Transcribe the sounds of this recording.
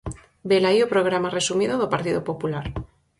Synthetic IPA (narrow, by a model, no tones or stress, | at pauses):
belaiopɾoɣ̞ɾamare̞sumiðoðopaɾt̪iðopopulaɾ